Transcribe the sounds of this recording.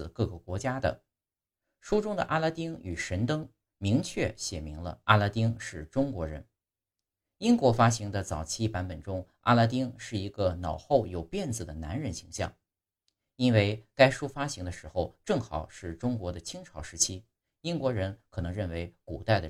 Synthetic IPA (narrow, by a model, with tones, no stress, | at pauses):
kɤ˥˩ɡə˨˩kwɔ˧˥t͡ɕja˥d̪ə̰˨ | ʂu˥ʈ͡ʂʊ˥ŋd̪ə˨ʔa˥la˧˥t̪i˥ŋy˨˩ʂə˧˥nt̪ɤ˥ŋ | mi˧˥ŋt͡ɕʰɥɛ˥˩ɕjɛ˨˩nmi˧˥ŋlə̰˧a˥la˧˥t̪i˥ŋʂɻ̩˥˩ʈ͡ʂʊ˥ŋkwɔ˧˥ɻə̰˧˥n | i˥nkwɔ˧˥fa˥ɕi˧˥ŋd̪ə˧t͡sɑ˨˩ʊt͡ɕʰi˥pa˧˥npə˨˩nʈ͡ʂʊ˥ŋ | a̰˥la˧˥t̪i˥ŋʂɻ̩˥˩i˧˥ɡə˧nɑ˨˩ʊxo˥˩ʊjo˨˩ʊpjɛ˥˩nd͡zɹ̩˨˩d̪ə˩na˧˥nɻə˧˥nɕi˧˥ŋɕjɑ̰˥˩ŋ | i˥nwe˥˩ɪka˥ɪʂu˥fa˥ɕi˧˥ŋd̪ə˧ʂɻ̩˧˥xo˥˧ʊʈ͡ʂɤ˥˩ŋxɑ˨˩˦ʊʂɻ̩˥˩ʈ͡ʂʊ˥ŋkwɔ˧˥d̪ə˧t͡ɕʰi˥ŋʈ͡ʂʰɑ˧˥ʊʂɻ̩˧˥t͡ɕʰi˥ | i˥nkwɔ˧˥ɻə˧˥nkʰɤ˨˩nɤ˧˥ŋɻə˥˩nwe˧˥ɪku˨˩t̪a˥˩ɪd̪ə˩